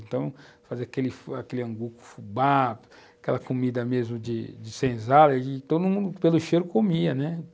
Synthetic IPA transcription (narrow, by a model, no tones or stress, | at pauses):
ẽnt̪ɐ̃w̃faziɐkelɪfakelɪɐ̃ŋɡukʊ̥fubap | akɛlɐkomid̪ɐmezmʊd͡ʒɪ̰d͡ʒɪsẽzalɐt̪od̪ʊmũd̪ʊpelʊʃejɾʊkomiɐnɛ